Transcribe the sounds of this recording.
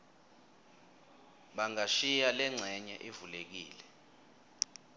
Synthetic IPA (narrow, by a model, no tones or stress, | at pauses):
ɓaŋaʃijalɛŋ͡ǀʱɛɲɛʔevulek̬iːlɛ